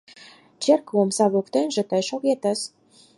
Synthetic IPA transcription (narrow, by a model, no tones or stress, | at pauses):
t͡ɕerkomsɑβukt̪enʒĕt̪əjʃoɣet̪ə̆s